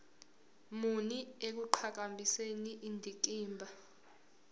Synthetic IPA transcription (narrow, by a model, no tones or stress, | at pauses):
muniek̬uǃʰak̬ambʱiseniʔindʱiǃiːmbʱa